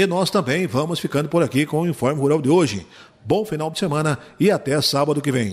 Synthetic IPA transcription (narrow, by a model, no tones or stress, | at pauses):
ɪnɔst̪ɐ̃mbẽj̃vɐ̃mʊsfikɐ̃nd̪ʊpoɾakikõʊĩfɔɾmɪhuɾawd̪ɪoʒɪ̰ | bõw̃finawd̪ɪsemɐ̃nɐɪat̪ɛsabɐd̪ʊkɪvẽj̃